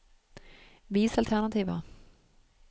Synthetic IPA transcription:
viːsalt̪ʰæɳat̪ʰiːva̰

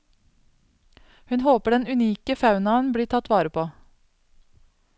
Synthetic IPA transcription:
hʉnhoːpəɖɛnʉniːkəfɑʉnɑnbɽiːʈʰɑt̪ʰʋɑːɾəpʰoː

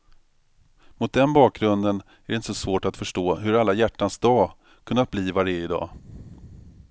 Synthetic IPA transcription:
mʊt̪̚d̪ɛnbɑːk̚ɡɾɵnd̪ən | æɾɖɛɪnt̪ə̥sɔsvoːʈat̪fœʂʈoːɦɵɾalːajæʈːansd̪ɑː | kʰɵnːat̪̚bliːvaɾɛɪd̪ɑ̰ː

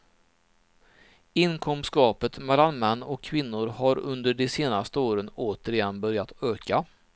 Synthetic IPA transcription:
ɪnkʰɔmskɑːpət̪mɛlːanmɛnːɔkʰːvɪnːʊɾhaɾɵnd̪əɖɛseːnast̪əoːɾənoːt̪əɾɪjɛnbœɾjat̪øːka

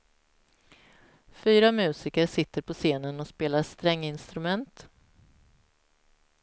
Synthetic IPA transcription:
fyːɾamʉ̟ːsɪkəʂɪt̪ːəɾpʰɔseːnənɔspeːlaɾst̪ɾɛŋːɪnst̪ɾɵmɛnt̪

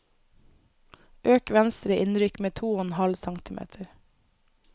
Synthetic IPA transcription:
ʔøːkʋɛnst̪ɾəʔɪnɾʏkmeːt̪ʰuːoɔnhɑlsɑŋt̪ɪmḛːt̪ʰəɾ

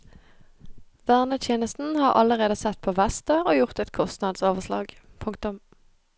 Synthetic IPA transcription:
ʋæːʁnət̪ʰjeːnəst̪n̩hɑːʁʔɑləʁeːd̪əsɛt̪̚pʰoːʋæst̪əoːjʊʁt̪ɛt̪kʰɔst̪nɑd̪soːʋəslɑ̰ːɡ | pʰʊŋk̚t̪ʊm

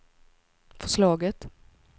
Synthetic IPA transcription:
fœ̥ʂlɑːɡət̪

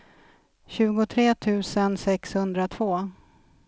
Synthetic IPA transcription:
ɕʉ̟ːɡʊt̪ʰɾeːt̪ʰʉ̟ːsənsɛkshɵnd̪ɾat̪ʰvoː

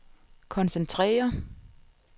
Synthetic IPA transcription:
kʰɒ̽nsent͡sʰʁɛ̰ːɐ

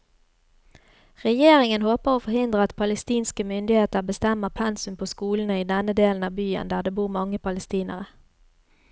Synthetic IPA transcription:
ʁɛjeːʁɪŋənhoːpəʁoːfɔʁhɪnd̪ʁəɑt̪pʰɑləst̪iːnskəmʏnd̪ɪheːt̪əʁbəst̪ɛməʁpʰɛnsʉmpʰoːskuːln̩əiːd̪ɛnəd̪eːln̩ɑːbyːə̰nd̪æːd̪eːbuːʁmɑŋəpʰɑləst̪iːnə̰ʁə

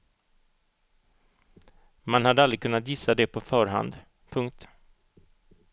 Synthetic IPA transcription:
manhad̪ːəalɾɪkʰɵnːat̪jɪsːad̪ɛpʰɔfœːɾɦa̰nd̪ | pʰɵŋk̚t̪

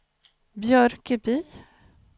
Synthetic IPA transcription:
bjœɾkəbyː

